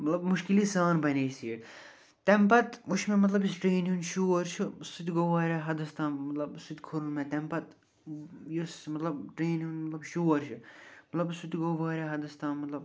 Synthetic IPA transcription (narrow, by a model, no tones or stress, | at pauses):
mɐt̪lɐbmʊʃkilisaːnbɐneːsiːɽ | t̪ɛmpɐt̪uʃmemɐt̪lɐbjisʈɾeːnunʃuːɐɾt͡ʃʰɨsut̪ʲiɡoʋaːɾaɦɐd̪ɐst̪ãːmɐt̪lɐbsut̪ʲkʰʊɾunmet̪ɛmpɐt̪ | jusmɐt̪lɐbʈɾeːnunmɐt̪lɐbʃuːɐɾʲt͡ʃʰɨmɐt̪lɐbsut̪ʲɡoʋaːɾʲaɦɐd̪ɐst̪ãːmɐt̪lɐb